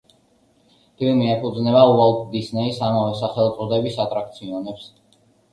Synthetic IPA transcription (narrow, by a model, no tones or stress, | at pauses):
pʰilmiɛpʰud̪znɛbauald̪isnɛisamavɛsaχɛlˠt̪sʼɔd̪ɛbisat̪ʼɾak̚t̪sʰiɔnɛps